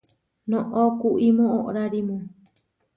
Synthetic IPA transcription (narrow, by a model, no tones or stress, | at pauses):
nõʔokuʔimõõʔɾaɾimõ